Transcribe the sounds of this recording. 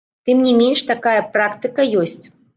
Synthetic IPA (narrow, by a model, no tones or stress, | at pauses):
t̪ɨmnʲimʲenʂt̪akajɐpɾakt̪ɨkɐjɔsʲt͡sʲ